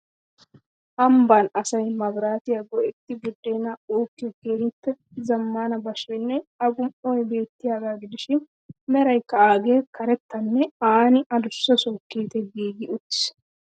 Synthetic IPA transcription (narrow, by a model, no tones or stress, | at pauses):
ʔɐmbɐnɐsɐjmɐbɾaːt̪ɪjɐɡɔʔɛt̪ːɪbʊd̪ːeːnɐoːkːɪɡeːɾɪpːɛ | zɐmːaːnɐbɐʃɔjnːɛɐɡʊmʔɔjbe̞ːt̪ːɪjaːɡaːɡɪd̪ɪʃɪn | mɛɾɐjkːɐaːɡe̞ːkɐɾɛt̪ːɐnːɛaːnɪɐd̪ʊsːɐsɔːkːeːt̪ɛɡiːɡɪʊt̪ːɪ̥s